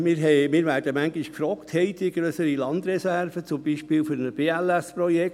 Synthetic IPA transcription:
mɪːɾɦɛɪmɪːɾʋæːɾd̥əmæŋɡiʃkfɾɔːkthɛɪdiɡɾøsəɾilɑnd̪ɾɛsæɾfət͡sʊmbiːʃpɪːlfyɾnəb̥eːælæsprɔjɛk

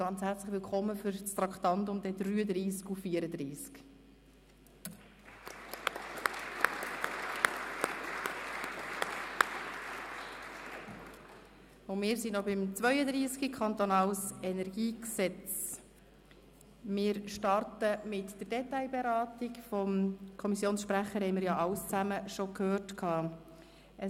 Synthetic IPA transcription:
ɑnt͡shæɾt͡sləχʋɪlkʰχɔmːəfʏɾst̪ɾɑkt̪ɑnt̪ʊmd̪ɛd̪ɾyːəd̪ɾiːskufiːəɾəd̪ɾiːsk | ʊmɪːɾsinɔbɪmt͡sʋœʏəd̪ɾiːskəkʰχɑnt̪ɔnɑːlsɛnɛɾɡiːksɛt͡s | mɪːɾʃtɑrtəmɪtd̥əɾdɛtaɪbɛɾɑːt̪ɪkfɔmkʰɔmisjoːnsʃpɾæχəɾhɛɪmɪɾjɑʔɑwst͡sæməʃɔkʰhøːrtkʰɑː | ə

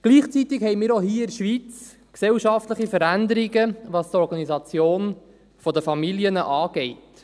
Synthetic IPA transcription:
ɡ̥liːχt͡sit̪ɪkhɛɪmiːɾoɦiːɪɾʃʋiːt͡s | ksɛwʃɑft̪ləχifəɾænd̪əɾiɡəʋɑstɔɾɡɑnizɑt͡sjoːn | fɔdəfɑmiljənəʔɑːɡ̥ɛɪt

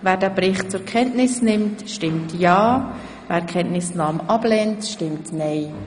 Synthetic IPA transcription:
væːɾdɛːbɾɪχtt͡sʊɾkʰɛntnɪsnɪmtʃtɪmtjɑː | væːkʰɛntnɪsnɑːmʔɑb̥lɛːntʃtɪmtnɛɪ

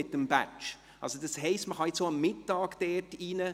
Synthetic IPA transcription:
ɪtəmbæt͡ʃ | ʔɑ̰lsod̥ɑshɛɪstməχɑjɪt͡soːɑmːɪtːɑːɡ̥d̥ɛtiːnə

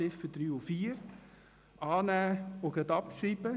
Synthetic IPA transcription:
ɪfəd̪̥ɾyːʊfiːəɾ | ɑːnæːoɡ̥ət̪ɑpʃɾiːb̥ə

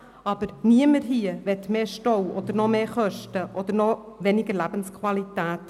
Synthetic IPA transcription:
ɑb̥əɾniəməɾɦiəʋɛtmeːʃtɔwɔd̥̪əɾnɔmeːχœʃtəʔɔd̪əɾnɔʋɛnɪɡəɾlæb̥ənskʰwɑlitæːt

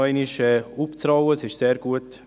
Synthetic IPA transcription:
ɔɪniʃɛuft͡srɑwəsɪʃseːɾɡ̥uət

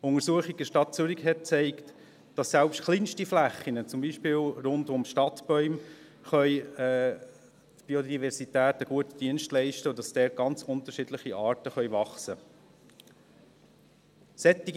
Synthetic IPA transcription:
ʊŋəɾsuəχiɡ̚dəʃtɑt̚t͡sʏɾikɦɛt̚t͡sɛɪkt | d̥ɑsːɛlpʃtχlinʃtiflæχːinət͡sʊmbiːʃpɪːlɾʊndʊmʃtɑtb̥ɔʏm | χœʏɛː | tb̥iodivɛɾsitæːtəɡ̥uətid̥iənʃtlɛɪʃtəd̥ɑsd̥ɛːt̚ɡ̥ɑnt͡sʊnt̪əɾʃidləχiʔɑːɾtəχœʏvɑχsə | sɛtːiɡ

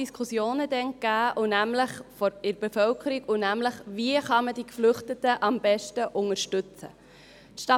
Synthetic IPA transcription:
iskʰusjoːnəd̪ɛnkæːʔʊnæmləχfɔɾɪɾb̥efœlkʰəɾiɡʊnæmləχviəχɑməd̥ikflʏχtətəʔɑmb̥ɛʃtəʔʊŋəɾʃtʉt͡sə̰ | tʃtɑ

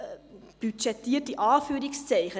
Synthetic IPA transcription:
b̥yt͡ʃɛtiərt̚diʔɑːfyəɾikstɛjχə

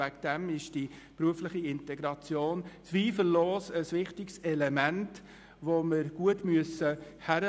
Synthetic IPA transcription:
ækd̥ɛmɪʃd̥ipɾuəflɪχiɪntɛɡɾɑt͡sjoːnt͡sʋiːfəllːɔːsəsʋɪχtɪksɛlɛmænt | ʋomɪɾɡ̥uətmyəsəhæɾə

